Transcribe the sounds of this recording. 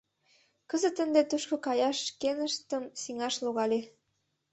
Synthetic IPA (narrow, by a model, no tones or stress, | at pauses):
kəzət̪ə̆nd̪et̪uʃkokɑjɑʃkenəʃt̪əmsiŋɑʃloɣɑle